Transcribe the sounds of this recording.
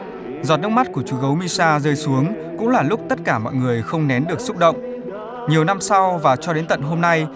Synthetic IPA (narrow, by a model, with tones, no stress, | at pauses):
zɔ˨˩t̚n˦˥k̚ma˦˥t̚ku˧˩ət͡ɕu˨˩ɣə˨˦wmi˧saː˧zəː˧jsu˨˦əŋ | kʊ̰˧˥ŋ͡mlaː˨˩lʊ˦˥k͡p̚t̪ə˦˥t̚kaː˧˩mɔ̰˧˨jŋɨ˨˩əjxə˧wŋ͡mnɛ˨˦nɗɨ˨˩ək̚sʊ˦˥k͡p̚ɗə̰˧˨wŋ͡mʔ | ɲi˨˩əwna˧msa˧wvaː˨˩t͡ɕɔ˧ɗe˨˦nt̪ə̰˧˨nɦo˧mna˧j